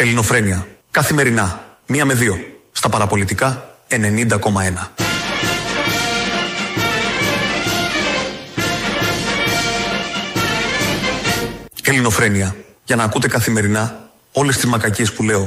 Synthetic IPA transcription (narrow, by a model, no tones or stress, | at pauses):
e̞lino̞fɾe̞niɐkɐθime̞ɾinɐmiɐme̞ðio̞st̪ɐpɐɾɐpo̞lit̪ikɐe̞ne̞nind̪ɐko̞mɐe̞nɐ | e̞lino̞fɾe̞niɐ | ʝɐnɐːkut̪e̞kɐθime̞ɾinɐ | o̞le̞st̪izmɐkɐcie̞spule̞o̞